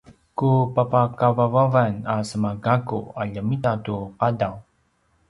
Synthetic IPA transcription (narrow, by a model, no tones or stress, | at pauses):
kupapakavavavanasəmaɡakuaʎəmitatuqadaw